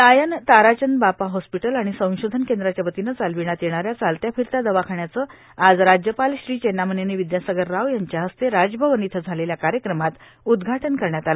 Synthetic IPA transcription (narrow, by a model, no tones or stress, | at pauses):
t̪ajənt̪aɾat͡ɕənbapaɦɔspiʈəlaɽ̃isə̃w̃ɕod̪ʱənkend̪ɾat͡ɕjabət̪inət͡salʋiɽ̃at̪jeɳ̃aɾjat͡salt̪jafiɾt̪ad̪əʋakʰaɳjat͡sə | ad͡zɾad͡ʑjəpalɕɾiːt͡ɕenaməneneʋid̪jasəɡəɾːaʋjaɲt͡ɕjaɦəst̪eɾad͡zbʱəʋənit̪ʰəd͡zʱaleljakaɾjəkɾəmat̪ | ud̪ɡʱaʈənkəɾɳjat̪ala